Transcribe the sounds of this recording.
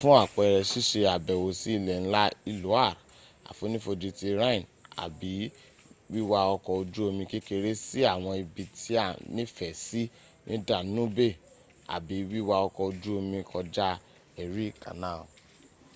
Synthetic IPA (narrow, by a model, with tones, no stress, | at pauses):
fũ˦a˦˨k͡pɔ˨˧ɛ˧ɾɛ˧ʃi˦ʃe˧a˨bɛ˨wo˨si˦i˦˧˨lɛ˨ñ̩˦la˦i˧lo˨˦a˦˨ɾ | a̰˨fo˨˦nĩ˦fo˧d͡ʒi˧ti˧ɾã˦ĩ˨na̰˨bi˨˦ | wi˦wa˧ɔ˧kɔ˧o˧d͡ʒu˦o˧mĩ˧ki˦ke˧ɾe˦si˦a˦˨w̃ɔ̃˧i˧bi˧tʰi˦a˦˨nĩ˦fɛ˨si˦ | nĩ˦da˦˨nũ˦be˦˨ | a̰˨bi˨˦wi˦wa˧ɔ˧kɔ˧o˧d͡ʒu˦o˧mĩ˧kʰɔ˧d͡ʒa˦ | ɛ˨ɾi˦ka̰˨nã˦˨o˨